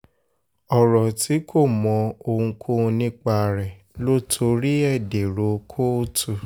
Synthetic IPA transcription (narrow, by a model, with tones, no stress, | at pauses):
ɔ˨ɾɔ˨tʰi˨˦kʰo˦˨mɔ̃˧o˧hũ˧kʰo˦˧nĩ˦k͡pa˧ɾɛ˨ | lo˦tʰo˧˦ɾi˦ɛ˦˨de˨ɾo˨˦kʰo˦tʰu˦˨